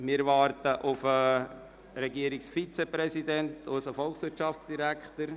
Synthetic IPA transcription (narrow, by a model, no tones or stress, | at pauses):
mɪɾʋɑːɾtəʔʊfə | ɾɛɡiəɾɪksfit͡sɛpɾɛsidɛntʰosəfɔlksʋɪtʃɑftsd̥iɾækʰχtəɾ